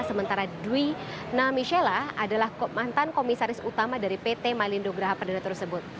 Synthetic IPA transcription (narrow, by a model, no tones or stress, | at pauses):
səmənt̪aɾadwinamiʃɛlaadalahkmant̪ankomisaɾɪsut̪amadaɾipet̪emalindoɡɾaɦapərdanat̪ərsəbʊt̪̚